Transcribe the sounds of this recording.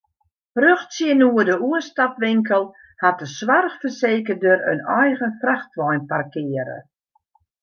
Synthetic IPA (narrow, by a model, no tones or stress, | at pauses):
røxsjiənuədəuənstatʋɪŋkəlˠ | hat̚əswarxfərseːkədəɾə̰nɔjɣənfraxtʋɔjnparkɪəɾə̰